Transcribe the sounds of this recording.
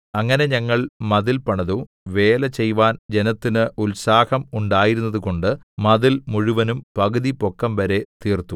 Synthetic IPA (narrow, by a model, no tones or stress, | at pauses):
ɐŋːɐne̞ɲɐŋːɐɭmɐðilpɐɳɐðuː | ʋe̞ːlɐt͡ɕe̞jʋaːnd͡ʑe̞nɐt̪ːinɨʔulsaːhɐmuɳɖaːjiɾunːɐðuko̞ɳɖɨ | mɐðilmuɻuʋɐnumpɐɣɐðipo̞kːɐmʋɐɾe̞t̪iːrt̪u